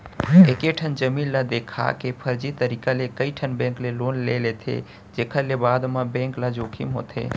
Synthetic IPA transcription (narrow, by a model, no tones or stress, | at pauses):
ekeʈʰənd͡ʒəmiːnlad̪ekʰa̰kepʰəɾd͡ʒit̪əɾikalekəiʈʰənbẽŋkleloːnlelet̪ʰḛ | d͡ʒekʰəɾlebaːd̪mãbẽːŋklad͡ʒokʰimɦo̰ːt̪ʰḛː